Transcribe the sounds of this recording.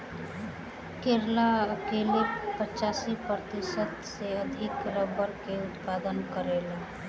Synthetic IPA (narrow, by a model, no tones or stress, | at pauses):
keɾlaəkelepət͡ʃaːsipɾət̪ɪsəd̪seəd̪ʱɪkɾəbəɾkeʊt̪paːd̪ənkəɾela